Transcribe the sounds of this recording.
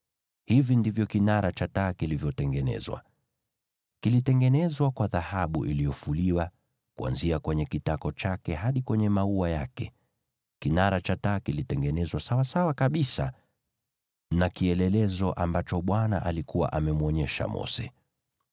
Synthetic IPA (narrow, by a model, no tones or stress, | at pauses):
hivindivjɔkinaɾat͡ʃataːkilivjɔtɛŋɡɛnɛ̰zwa̰ | kilitɛŋɡɛnɛzwakwaðahaɓṵʔilijɔfuliwa | kua̰nziakwɛɲɛkitakɔt͡ʃakɛɦaɗikwɛɲɛmauajakɛ | kinaɾat͡ʃataːkilitɛŋɡɛnɛzwasawasawakaɓisa | nakiɛlɛlɛzɔʔambat͡ʃɔɓwana̰ʔalikuwa̰ʔamɛmuɔɲɛʃa̰mɔ̰sɛ̰